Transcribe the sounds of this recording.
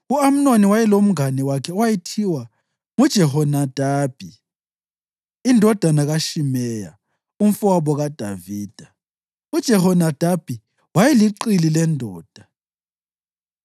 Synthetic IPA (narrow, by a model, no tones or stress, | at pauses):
uam̩noniwajɛlom̩ŋanɛwakʰɛɔwajitʰiwa | ŋud̥ʒ̥ʱɛhɔnad̥ʱaːb̥ʱi | indʱɔd̥ʱanaɣaʃimɛja̰ | um̩fuaβɔɣad̥ʱaviːd̥ʱa | ud̥ʒ̥ʱɛhɔnad̥ʱab̥ʱi | wajɛliǃililɛndʱɔːd̥ʱa